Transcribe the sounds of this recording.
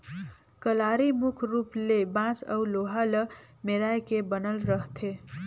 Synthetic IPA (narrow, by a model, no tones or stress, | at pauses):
kəlaɾimukʰɾuplebãsə̰wloɦalə | meɾajkebənəlɾəɦt̪ʰe